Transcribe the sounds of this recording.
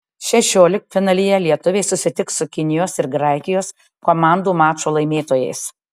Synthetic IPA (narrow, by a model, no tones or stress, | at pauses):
ʃʲɛʃʲoːlʲɪkfʲɪnɐlʲɪjɛlʲiɛt̪ʊʋʲeːsʊsʲɪt̪ʲɪksʊkʲɪnʲɪjoːsɪɾɡɾɑɪkʲɪjoːs | koːmɑˑnd̪uːmɑːt͡ʃoːlˠɐɪmʲeːt̪oːjɛ̰ɪs